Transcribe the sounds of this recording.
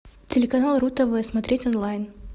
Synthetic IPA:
tʲɪlʲɪkɐnalˠɾut̪əvɨjəsmɐt̪ɾʲetʲɔnlˠajn

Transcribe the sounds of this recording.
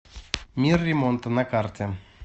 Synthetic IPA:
mʲirːimont̪ənakart̪ʲa

